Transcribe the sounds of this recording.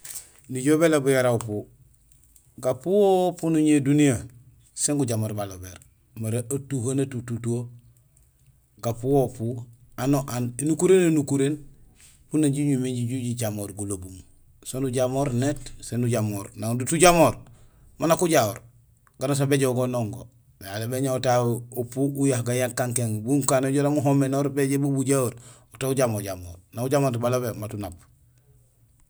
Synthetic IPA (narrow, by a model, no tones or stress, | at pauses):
niɟobelabujaɾaupu | ɡapuwopunuɲedunija | seŋɡuɟamoːɾbalobeɾ | maɾeʔatuhanatututuo | ɡapuwopu | anoʔanenukuɾenenukuɾeːn | punaɲɟiɲumeɟiɟuɟiɟamoːɾɡulobum | sonuɟamoːɾnetsenuɟamoːɾnaŋdutuɟamoːɾ | manakuɟaoɾ | ɡ̥anas̬abeɟeɡonoŋɡo | nealebeɲaotaupuujaɡajankaŋkeŋbuŋkaːnoɟoɾamuɦomenoɾbeɟebubuɟaoɾ | otauɟamoɟamo̰ːɾnauɟamoːtbalobematunab